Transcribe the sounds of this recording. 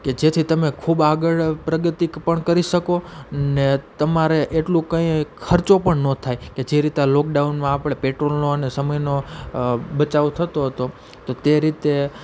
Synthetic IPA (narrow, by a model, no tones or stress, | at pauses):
ked͡ʒet̪ʰit̪əmekʰubaɡəɭpɾəɡət̪ikpəɳkəɾiʃəkonet̪əmaɾeʔeʈlũkə̃ĩkʰəɾt͡ʃopəɳnõt̪ʰajked͡ʒeɾit̪alɔk̚ɖaunmãːpɽepeʈɾolnoənesəməjno | bət͡ʃaʋot̪ʰət̪oɦət̪o | t̪ot̪eɾit̪e